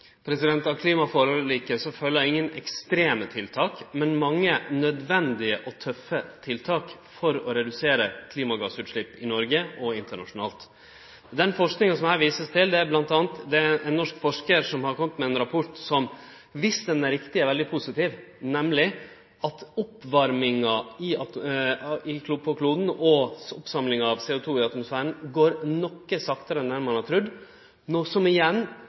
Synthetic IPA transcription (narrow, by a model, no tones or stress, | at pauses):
pʰɾɛsɪd̪ɛnt̪ɑʋkʰliːmɑfɔːɾɔliːkəsɔføːləɾæɪŋːənɛkst̪ɾeːmət̪ʰɪlt̪ʰɑːkmɛnmɑŋːənœd̪ʋɛnd̪ɪəʔɔt̪ʰœfət̪ʰɪlt̪ʰɑːkfɔɾɔɾɛd̪ʉseːɾəkʰliːmɑɡɑsʉːt̪ʂɭɪpːɪnɔɾɡəɔɪnt̪əɳɑʂʊnɑ̰ːlt̪ | d̪ɛnfɔʂknɪŋənsɔmhæːɾʋiːsəst̪ʰɪld̪ɛæɾblɑnt̪ɑːnt̪d̪ɛæʔɛnːɔʂkfɔʂkəɾʂɔmhɑɾkʰɔmːət̪mɛɛnɾɑpʰɔʈsɔm | ʋɪsd̪ɛnæɾɪkt̪ɪɛɾʋɛld̪ɪpʰuːsɪt̪iːʋnɛmlɪ | ɑt̪ɔpːʋɑɾmɪŋɑɪɑ | ɪkʰlupʰɔkʰluːd̪n̩ɔɔpsɑmlɪŋɑɑʋseːʊt̪ʰuːɪɑt̪mʊsfæːɾəɳ̩ɡoːɾnɔkːəsɑkt̪əɾənɛnmɑnæt̪ʰɾʉd̪ | ɔsɔmɪjɛnː